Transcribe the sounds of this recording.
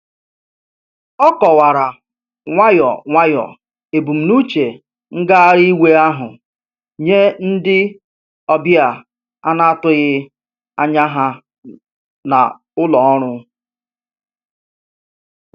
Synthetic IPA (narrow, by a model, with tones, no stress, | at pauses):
ɔ˦kɔ˨wa˨ɾa˨ | ŋʷa˦jɔ˨ŋʷa˦jɔ̰˨ | e˨bu˨m̩˨nu˦t͡ʃe˨ | ŋ̩˦ɡa˦a˦ɾi˦we˦a˦ɦʊ˨ | ɲe˦n̩˦dɪ˦ | ɔ˦bja˨ | a˦na˦a˦tʊ˦ɣɪ˦ | a̰˦ɲa˦ɦa˦ | na̰˨ | ʊ˦lɔ˨ɔ˦ɾ̃ʊ˦